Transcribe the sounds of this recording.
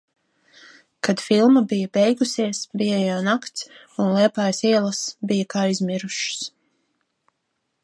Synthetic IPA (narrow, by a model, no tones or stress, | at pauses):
kad̪̥filˠmabijɐbɛjɡusiɛsbijajawnakt̪s | unlˠiɛpaːjsiɛlˠɐsbijɐkaːizmʲiɾuʃs